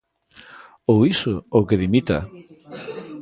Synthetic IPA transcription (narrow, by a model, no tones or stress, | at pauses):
owisʊowkeðimit̪a̰